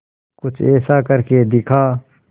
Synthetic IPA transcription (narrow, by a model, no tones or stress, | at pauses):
kʊt͡ʃʰɛːsakɐɾked̪ɪkʰaː